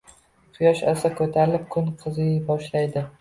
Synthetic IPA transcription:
qʰɨjɒʃasakʰɵt̪ʰaɾɪlɪp̚kʰʊnqʰɨzɪɡʲabɒʃlajd̪ɪ

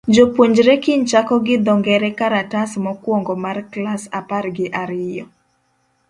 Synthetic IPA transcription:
d͡ʒopwoɲd͡ʒɾɛkiɲt͡ʃakɔɡɪd̪ɔŋɡɛɾɛkaɾatasmɔkwɔŋɡɔmarklasaparɡɪʔaɾɪjɔ

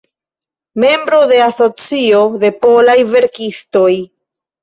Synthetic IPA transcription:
me̞mbɾo̞de̞aso̞t͡sio̞de̞po̞lajve̞ɾkisto̞j

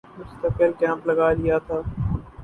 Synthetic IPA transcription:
mʊst̪əkbɪlkɛ̃ːmplɐɡaːlijat̪ʰaː

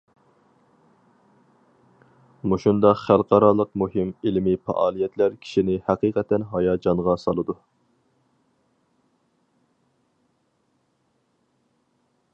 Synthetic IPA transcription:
muʃund̪ɑqχælˠqɑɾɑlˠəqmuɦɪmilmɪpɑ̰ʔɑːlˠijɛt̪ʰlæɾkʲʰi̥ʃinɪhæqiːqɛt̪ʰːɛnɦɑjɑːd͡ʒɑɴʁɑsɑlˠɨd̪u

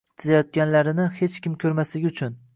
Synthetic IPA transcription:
d͡ʒʰɪzajɒt̪̚ɡʲanlaɾɪnɪhe̞t͡ʃkʲɪmkʲʰɵɾmaslɪɡʲʊt͡ʃʰʊn

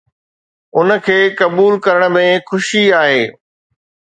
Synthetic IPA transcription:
ʊnə̆kʰeːkɐbuːlkɐɾəɽ̃ə̆mẽxʊʃiaːɦeː

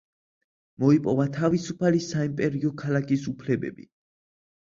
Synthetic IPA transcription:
mɔipʼɔvat̪ʰavisupʰalisaimpʼɛɾiɔkʰalakʰisupʰlɛbɛ̰bḭ

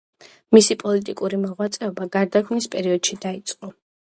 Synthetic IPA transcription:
misipʼɔlit̪ʼikʼuɾimɔʁwat̪sʼɛɔbaɡaɾd̪akʰmispʼɛɾiɔd̪̥ʃid̪ait̪sʼqʼɔ

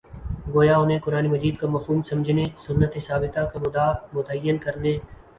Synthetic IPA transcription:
ɡoːjaʊnẽkʊɾaːnimɐziːd̪̚kamɐfɦuːmsɐ̃md͡ʒʱnesʊnːət̪esaːbɪt̪akabʊd̪aːmʊd̪əjənkɐɾne

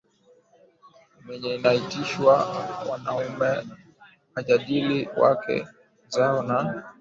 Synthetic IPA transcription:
mɛɲɛnaitiʃwawanaumɛ | aʄaɗiliwa̰kʰɛ̰ | zaɔnan

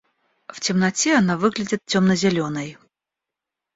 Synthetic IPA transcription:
ftʲɪmnɐtʲeɐnavɨɡlʲɪdʲɪt̪̚tʲomnəzʲɪlʲonəj

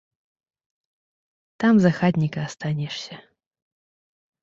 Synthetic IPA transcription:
t̪amzɐxad̪ʲnʲikɐːst̪anʲɛʂsʲɐ

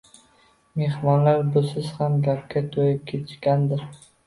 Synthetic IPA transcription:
me̞hmɒnlaɾbʊsɪz̥hamɡʲap̚kʲat̪ʰojɪp̚kʲʰet̪ʰɪʃkʲand̪ɪɾ

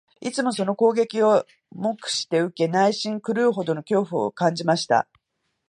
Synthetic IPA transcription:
it͡sɨmo̞so̞no̞ko̞ːɡe̞kʲio̞ | mo̞kɯ̟̥ɕi̥t̪e̞ɯ̟ke̞naiɕĩŋkɯ̟ɾɯ̟ːɦo̞d̪o̞no̞kʲo̞ːɸɯ̟o̞̰kãɲd͡ʑimaɕi̥t̪a̰

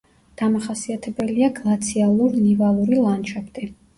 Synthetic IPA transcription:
d̪̥amaχasiat̪ʰɛbɛliaɡlˠat̪sʰialˠuɾnivalˠuɾilˠant͡ʃʰapʰt̪ʼi

